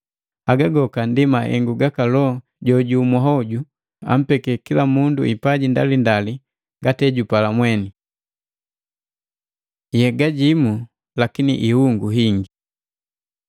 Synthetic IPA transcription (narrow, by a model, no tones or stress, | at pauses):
aɡaɡɔkandimaʔɛ̰ŋɡuɡakalɔ | ɟɔɟumaɦɔɟu | a̰m̩pɛkɛkilamunduipaɟinda̰lindali | ŋɡatɛɟupalamwɛni | jɛɡaɟimu | lakinḭʔihuŋɡuɦiŋɡi